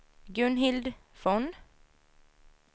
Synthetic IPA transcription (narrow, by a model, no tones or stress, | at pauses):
ɡɵnɦɪld̪fɔn